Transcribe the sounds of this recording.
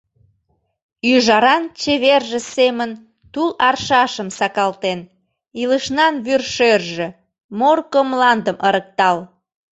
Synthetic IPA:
yʒɑɾɑnt͡ɕeβerʒĕsemən | t̪ulɑrʃɑʃəmsɑkɑlt̪en | iləʃnɑnβyrʃørʒĕ | morkəmlɑnd̪əməɾək̚t̪ɑl

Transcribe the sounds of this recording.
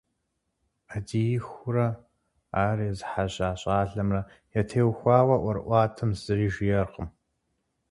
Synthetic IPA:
adijɪxʷʊɾɐ | aːriːzɨħaɕʼaːɕʼaːɮɐmrɐ | jɛtʰeːwxʷɑːwɐʔʷɔɾʔʷɑːtʰɨmz̥ɨriːʒjɛrqəm

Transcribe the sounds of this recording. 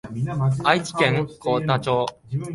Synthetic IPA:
ait͡ɕi̥kẽŋkoːt̪at͡ɕoː

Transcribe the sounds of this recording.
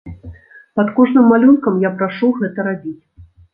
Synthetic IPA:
pɐt̪kɔʐnɨmːalʲunkɐmjapɾaʂuɣɛt̪ɐɾabʲit͡sʲ

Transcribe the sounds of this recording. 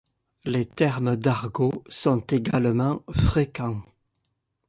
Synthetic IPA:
let̪ɛʁmd̪aʁɡosɔ̃t̪eɡalmɑ̃fχekɑ̃

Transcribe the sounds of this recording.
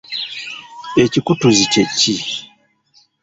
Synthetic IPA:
et͡ʃikutuzit͡ʃet͡ʃi

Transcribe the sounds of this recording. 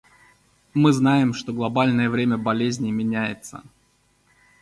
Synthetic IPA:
mɨznajɪmʂt̪oɡlˠɐbalʲnəjəvɾʲemʲəbɐlʲezʲnʲɪmʲɪnʲæjɪ̰t̪sə̰

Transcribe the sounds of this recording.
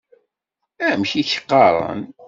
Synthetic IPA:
æmçiçə̥qːɑɾˤɑ̰n

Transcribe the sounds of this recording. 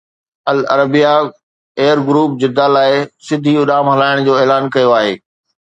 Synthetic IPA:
ɐlɐɾəbija | eːəɾɡɾuːp̚d͡ʑɪd̪alaːɪsɪd̪ʱiʊɗaːmɦɐlaːɪɽ̃d͡ʑoːeːlaːnkɐjoaːɦeː

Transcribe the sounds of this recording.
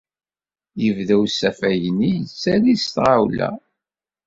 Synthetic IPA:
jəvðæwsæfæjənːijət͡sːælist̪ʁawlæ̰

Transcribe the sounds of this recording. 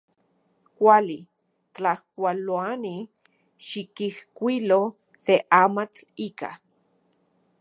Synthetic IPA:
kʷali | t͡ɬahkʷaloani | ʃikihkʷilo | seʔamat͡ɬika̰

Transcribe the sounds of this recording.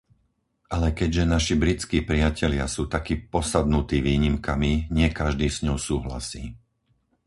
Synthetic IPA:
ʔalɛkɛɟʒɛnaʃibɾit͡skiːpɾɪacɛʎɪasuːt̪akiːpɔsad̪nut̪iːʋiːɲimkamiɲɪɛkaʒd̪iːsɲɔʊsuːɦla̰siː

